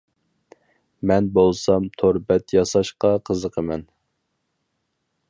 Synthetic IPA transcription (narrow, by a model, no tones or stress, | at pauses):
mɛnbolˠsɑmt̪ʰoɾbɛt̪jɑsɑʃqɑqʰəzəqʰəmɛn